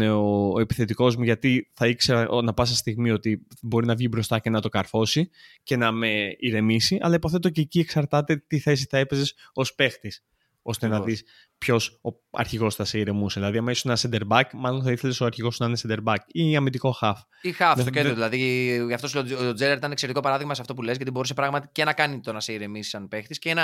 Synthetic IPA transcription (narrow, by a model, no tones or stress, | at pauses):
eoepi̥θe̞t̪iko̞zmuʝɐt̪iθɐikse̞ɾɐʔonɐpɐs̬ɐst̪iɣmio̞t̪ibo̞ɾinɐvʝibɾo̞st̪ɐce̞nɐt̪o̞kɐɾfo̞sice̞nɐme̞iɾe̞misiʔɐ̰lɐipoθe̞t̪o̞ce̞ːcieksɐɾt̪ɐt̪e̞t̪iθe̞s̬iθɐepe̞ze̞so̞spe̞xt̪is | o̞st̪e̞nɐðis | pço̞so | ɐ̰ɾçiɣo̞sθɐse̞iɾe̞museðilɐðiɐmesosenɐsend̪e̞ɾbɐkmɐlo̞nθɐiθe̞le̞soɐɾçiɣo̞snɐinesend̪e̞ɾbɐkiɐmid̪iko̞xɐf | ixɐfeeoðilɐðiɐft̪osood͡zelɐɾit̪ɐnekseɾet̪iko̞pɐɾɐðiɣmɐseɐft̪o̞p̬ule̞zʝɐt̪ibo̞ɾuse̞pɾɐɣmɐt̪i̥cenɐkɐnit̪o̞nɐse̞iɾe̞misi̥sɐnpe̞xt̪isceenɐ